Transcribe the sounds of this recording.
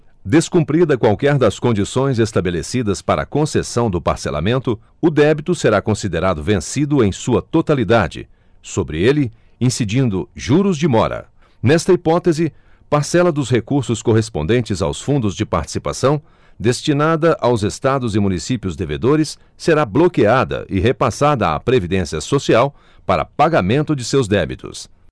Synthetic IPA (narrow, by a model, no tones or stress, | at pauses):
d̪eskũpɾid̪ɐkwawkɛɾd̪ɐskõnd͡ʒisõj̃zest̪abelesid̪ɐspaɾɐ̰kõsesɐ̃w̃d̪ʊpa̰ɾsela̰mẽnt̪ʊ | ʊd̪ɛbit̪ʊseɾakõsid̪eɾad̪ʊvẽsid̪ʊẽj̃suɐt̪ot̪alid̪ad͡ʒɪ̰ | sobɾɪ̰elɪ | ĩsid͡ʒĩnd̪ʊʒuɾʊzd͡ʒɪmɔ̰ɾɐ̰ | nɛst̪ɐipɔt̪ezɪ | paɾsɛlɐd̪ʊsɦekuɾsʊskoɦes̬põnd̪ẽnt͡ʃɪza̰wsfũnd̪ʊzd͡ʒɪpa̰ɾt͡ʃi̥sipa̰sɐ̃w̃ | d̪est͡ʃinad̪ɐʔawzest̪ad̪ʊzɪmũnisipiʊzd̪eved̪oɾɪsː | eɾablokiad̪ɐ̰ʔɪɦepasad̪ɐa̰pɾevid̪ẽsiɐsosiaw | paɾɐ̰paɡamẽnt̪ʊd͡ʒɪsewzd̪ɛbit̪ʊ̰s